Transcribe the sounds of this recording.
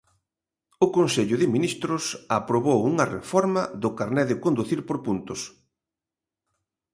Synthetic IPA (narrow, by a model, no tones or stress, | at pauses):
ʊkonseʎʊðɪminist̪ɾʊsapɾoβowuŋɐrḛfɔɾmɐðʊkaɾnɛðɪkond̪uθiɾpoɾpunt̪ʊs